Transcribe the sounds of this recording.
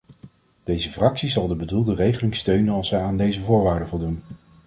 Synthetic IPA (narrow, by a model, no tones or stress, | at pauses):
d̥ejzəfrɑksizɑlˠdəbədulˠdərejχəlɪŋstøɥnənɑlˠsɛjaːndejzəvʊːɹʋaːɹdəvʊlˠdun